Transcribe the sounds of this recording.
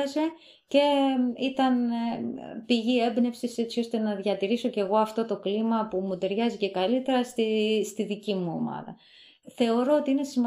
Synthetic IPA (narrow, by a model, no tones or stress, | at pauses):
ɐze̞ | ce̞it̪ɐn | piʝie̞bne̞fsise̞tt͡sio̞st̪e̞nɐðʝɐt̪iɾiso̞ce̞ɣo̞ɐft̪o̞t̪o̞klimɐpumut̪e̞ɾʝɐzice̞kɐlit̪e̞ɾɐst̪ist̪iðicimuo̞̰mɐ̰ðɐ̰ | θe̞o̞ɾoot̪iine̞simɐ